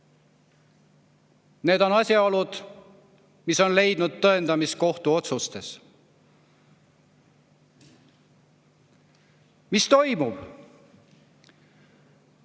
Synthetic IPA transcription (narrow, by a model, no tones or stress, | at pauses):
ne̞ːd̪o̞nɑsʲjɑolud̪̥ | miso̞nle̞jd̪̥nud̪̥̚t̪ːɤe̞nd̪ɑmisko̞ht̪uo̞t̪sust̪e̞s | mist̪o̞jmub̥